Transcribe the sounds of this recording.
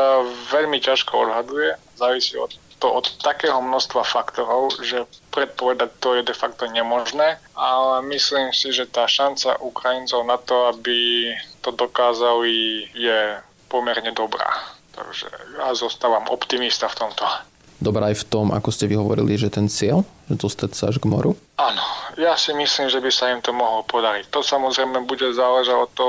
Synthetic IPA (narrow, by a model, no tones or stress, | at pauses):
ʋɛʎmicaʃkɔɔd̪ɦad̪ujɛazaːʋisiːɔ̰t̪ːɔʔɔt̪ːakɛːɦɔmnɔst̪ʋafakt̪ɔɾɔʊʒɛpɾɛt̪̚pɔʋɛd̪ac̚t̪ɔjɛd̪ɛfakt̪ɔɲɛmɔʒnɛːalɛmisliːmsiʒɛt̪aːʃant͡sa̰ʔukɾajint͡sɔʊnat̪ɔabit̪ɔd̪ɔkaːzalijɛ | pɔmɛɾɲɛd̪ɔbɾa̰ːt̪a̰ɡʒɛ̰jazɔst̪aːʋamʔɔ̰pt̪imist̪aft̪ɔmt̪ɔ | d̪ɔbɾaːjft̪ɔmʔa̰kɔscɛʋiɦɔʋɔ̰ɾḭliʒɛt̪ɛnt͡sɪɛlʒɛd̪ɔst̪acsaaʒɡmɔ̰ɾu | anɔjasimisliːmʒɛbisaimt̪ɔmɔɦlɔpɔd̪aɾict̪ɔsamɔzɾɛjmɛbuɟɛzaːlɛʒaɟɔt̪ːɔ